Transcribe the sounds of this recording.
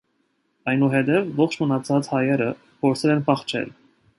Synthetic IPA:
ɑjnuɦɛt̪ɛvːɔχt͡ʃʰmənɑt͡sʰɑt͡shɑjɛɾə | pʰɔɾsʰɛlɛnpʰɑχt͡ʃʰɛ̰l

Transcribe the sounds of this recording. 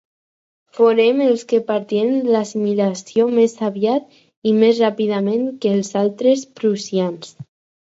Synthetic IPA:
foɾemelskepaɾt̪jennlasimilasjomesaβjat̪̚ | imezrapið̞amẽŋkeːlsalt̪ɾespɾusjans

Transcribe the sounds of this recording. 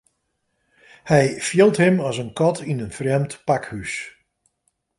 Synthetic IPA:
hɛjfilˠtɦəmɑsənkɔtinənfrɛmtpakhys

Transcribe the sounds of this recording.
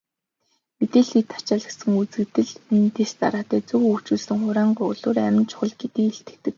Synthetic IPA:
met̪eːɮiːkt̪ʰːḁt͡ɕaːɮə̆sə̆ŋut͡sɘ̆kt̪ɘ̆ɮent̪est̪a̰ɾaːt̪æːt͡suɣɵkt͡ɕuːɮsɘ̆ŋχʊɾaːɴɢʊɮʊːræmɪ̆nt͡ɕʰʊ̥χɞ̆ɮɡet̪iːkeɬt̪ɘ̆k̚t̪ɘ̆k̚

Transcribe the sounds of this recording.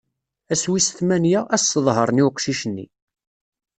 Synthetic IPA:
æswisə̥θmænjæʔæsːəðˤɦəɾˤniwqʃiʃənːḭ

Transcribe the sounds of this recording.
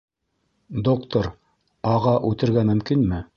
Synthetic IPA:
d̪okt̪oɾ | ɑʁɑʔʉt̪ɘ̆ɾɡæmɵ̆mkinmɘ

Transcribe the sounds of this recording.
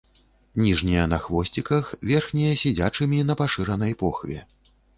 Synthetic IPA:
nʲiʐnʲɛjɐnɐxvɔsʲt͡sʲikɐxvʲɛrxnʲɛjɐsʲɛd͡zʲat͡ʂɨmʲin̪ɐpaʂɨɾɐnɐjpɔxvʲɛ̰

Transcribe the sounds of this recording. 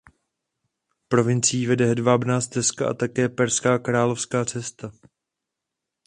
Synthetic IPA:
pɾo̞vɪnt͡siiːvɛdɛɦɛdvaːbnaːst̪ɛskaʔa̰t̪akɛːpɛɾskaːkɾaːlo̞fskaːt͡sɛst̪a

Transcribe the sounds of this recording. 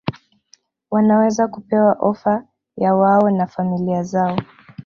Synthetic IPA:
wanawɛzakupɛwaʔɔfa | jawaɔnafamiliazaɔ

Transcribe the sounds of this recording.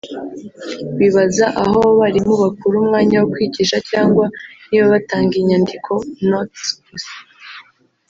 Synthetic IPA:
wiβazaʔaɦo̞βaɾimuβakuɾuːmŋaːɲawokwiːɟiːʃacaːŋɡwaniβaβataːŋɡiɲandikʰo̞notpus

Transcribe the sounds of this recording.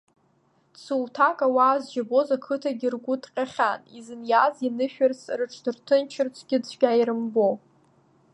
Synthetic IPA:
sʰuwtʰakʼawaːzd͡ʒabo̞zakʰɨtʰaɡʲirɡʷutʰʼqʲʼaχʲanizɨnjazinɨʃᶣarsʰrɨʈ͡ʂʰdɨrtʰɨnt͡ʃʰɪrt͡sʷʰʼɡʲɪd͡zʷʰɡʲʼaiɾɨmbo

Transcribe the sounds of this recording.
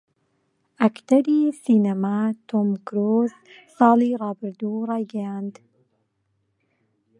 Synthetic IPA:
ʔɐkt̪ɐɾisiːnamat̪ʰomkɾossɑːlˠiːrˤɑːbɨɾd̪uːrˤɑːjɡɐjaːnd̪

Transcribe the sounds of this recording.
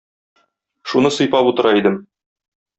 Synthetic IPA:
ʃunɤsɤ̆jpɑput̪ɤ̆ɾɑid̪ɘm

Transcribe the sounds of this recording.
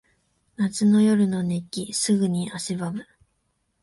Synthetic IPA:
nat͡sɨno̞jo̞ɾɯ̟no̞nekʲisɨɡɯ̟ɲ̟iʔaɕibamɯ̟

